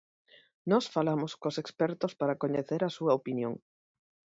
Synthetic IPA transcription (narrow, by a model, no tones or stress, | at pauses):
nɔsfalamoskosekspɛɾt̪ospaɾɐkoɲeθeɾɐsuɐopinjo̰ŋ